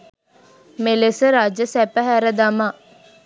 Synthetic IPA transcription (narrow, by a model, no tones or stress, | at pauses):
melesəɾaːd͡ʒjəsæpəɦæɾəd̪ama